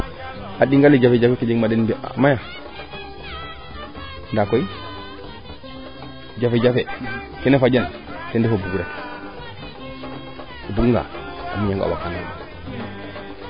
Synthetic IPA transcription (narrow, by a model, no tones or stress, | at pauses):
aɗiŋɡalːid͡ʒafed͡ʒafeked͡ʒeɡmadenbea̰maja | ndakoi | d͡ʒafed͡ʒafe | kenefad͡ʒan | tendefobuɡɾak | buɡŋɡa̰a̰muɲaŋɡa̰wa̰kanaɗ